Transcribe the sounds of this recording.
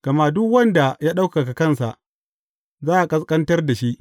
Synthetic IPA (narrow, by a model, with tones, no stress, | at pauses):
ɡ̥ɐ˨ma˦dʊ˦kwɐ˦nda˨jaː˦ɗa˦wkka˨ka˨kɐ˦˨nsa̰˨ʔ | zaː˦ʔa˨kʼɐ˦skʼɐ˦ntɐ˦rda˨ʃi˦ʔ